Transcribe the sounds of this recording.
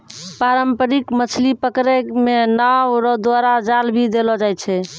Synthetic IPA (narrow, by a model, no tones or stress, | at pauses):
paɾəmpəɾikmət͡ʃʰlipəkɾekmenawɾɔd̪waɾad͡ʒalbʱid̪elɔd͡ʒajt͡ʃʰɛ